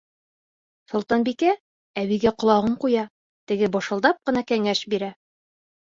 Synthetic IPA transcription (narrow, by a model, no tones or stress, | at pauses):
sŏlˠt̪ɑnbikæ | æβiɡæqŏlˠɑʁɤɴqujɑ | t̪ɘ̆ɡɘbŏʃɤ̆lˠd̪ɑp̚qɤ̆nɑkæŋæʃbiɾæ